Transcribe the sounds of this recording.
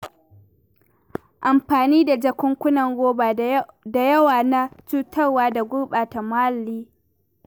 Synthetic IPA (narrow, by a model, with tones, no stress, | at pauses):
ʔa˨mɸaː˨niː˦da˨d͡ʒɐ˨kʷʊ˦ŋkʷʊ˦nɐ˨ŋɡoː˦baː˨da˨jɐ˦waː˨na˦t͡ʃuː˦tʰɐ˦rwaː˦da˨ɡʷʊ˦rɓaː˨ta˨maː˦lːiː˦